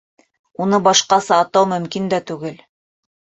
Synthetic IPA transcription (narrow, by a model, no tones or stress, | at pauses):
unɤbɑʃqɑsɑːt̪ːɑwmɵ̆mkind̪æt̪ʉɡɘl